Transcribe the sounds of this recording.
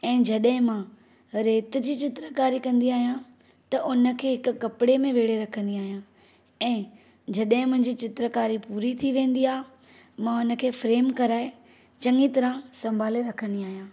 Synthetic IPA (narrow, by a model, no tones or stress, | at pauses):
ɛ̃ːd͡ʑɐɗɦɪ̃mã | ɾeːt̪̆d͡ʑiːt͡ɕɪt̪ɾəkaːɾikɐ̃nd̪iaːɦijã | t̪ɐʔʊnə̆kʰeːɦɪkʊ̆kːɐpɪɽemẽʋeːɽeɾɐkʰə̃nd̪iaːɦijã | ɛ̃ː | d͡ʑɐɗɦɪ̃mʊ̃ɦɪ̃ɲd͡ʑiːt͡ɕɪt̪ɾəkaːɾipuːɾit̪ʰiʋẽːnd̪iaːɦ | mãʊnə̆kʰeːfɾeːmkɐɾaːe | t͡ɕɐ̃ŋɡit̪ɐɾãsɐ̃mbʱaːleɾɐkʰə̃nd̪iaːɦijãː